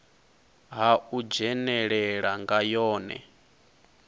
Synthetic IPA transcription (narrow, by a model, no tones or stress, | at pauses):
ɦaud͡ʒɛnɛɺɛɺaŋɡajɔːnɛ̰